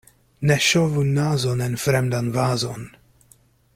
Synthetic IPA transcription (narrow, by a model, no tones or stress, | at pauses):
nɛʃɔvunːaːzɔnɛnfɾɛmd̪anvaːzɔn